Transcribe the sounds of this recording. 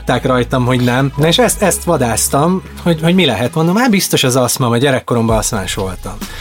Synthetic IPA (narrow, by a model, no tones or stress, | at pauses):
t̪ːaːkrɒjt̪ɒmɦo̞ɟnɛmnɒeːʃɛst̪ɛst̪ʋɒd̪aːst̪ɒm | ho̞ɟho̞ɟmilɛɦɛt̪mnomaːbist̪o̞ʃɛzɒsmɒmɒɟɛɾɛkːo̞ɾo̞mbɒɒsmaːʃʋo̞lt̪ɒm